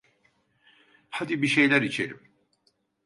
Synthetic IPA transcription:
had̪ibiʃe̞jlʲæɾit͡ʃʰḛɾḭm

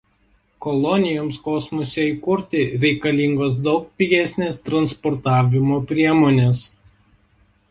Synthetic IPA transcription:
kɔlˠɔnʲɪjoːmskɔsmɔsʲeiːkʊɾʲt̪ʲɪɾʲɛɪkɐlʲɪŋɡoːsd̪ɒʊk̚pʲɪɡʲæsʲnʲeːst̪ɾɐnspɔɾt̪ɑːʋʲɪmoːpʲɾʲiɛmoːnʲeːs

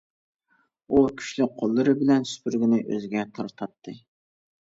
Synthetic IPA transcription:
ukʲʰy̥ʃlɪk̚ʲqʰolˠːɨɾɨbɪlɛnsy̥pʰyɾɡʲɪnɪʔø̰zɪɡʲɛt̪ʰɑɾt̪ʰɑt̪ʰːɨ

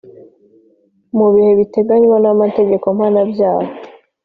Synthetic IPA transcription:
muβihe̞βite̞ɡaɲwanamate̞ɟe̞ko̞mhaːnabjaːho

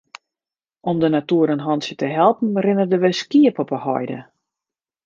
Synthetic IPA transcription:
ɔmdənatuəɾənɦɔnsjətəɦɛlˠpn̩rɪnərdəʋɪskiəpɔpəhɔ̰jdə̰

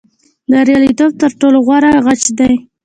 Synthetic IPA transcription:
d̪əɾjɑlit̪ob̚t̪əɾʈoloɣwɑɾaɣat͡ʃd̪aj

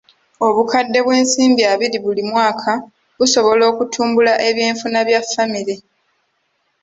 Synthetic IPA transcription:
o̞βukadːe̞βwe̞ːnsiːmbiaβiɾiβulimwaːkʰa | βuso̞βo̞lo̞ːkutʰuːmbulaʔe̞βjeːɱfunaβjafːamiɾe

